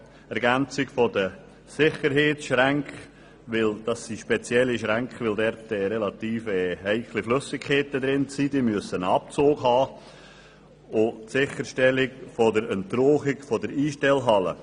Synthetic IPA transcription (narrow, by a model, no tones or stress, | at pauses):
ɛɾɡænt͡sɪkfɔdə | sɪχəɾɦeːtsʃɾæŋkχ | ʋɪld̥ɑsːiʃpɛt͡sjɛlːiʃɾæŋkχʋɪldɛɾtɛːɾɛlɑt̪iːfɛːɦɛɪkʰlɪfløsɪkʰːeːtəd̪ɾɪnt͡sidiːmyəsənɑp̚t͡soːɡɦɑː | ʊtsɪχəɾʃtɛlɪkfɔdəɾənt̪roːχɪɡfɔdəɾiːʃtɛlɦɑlə̰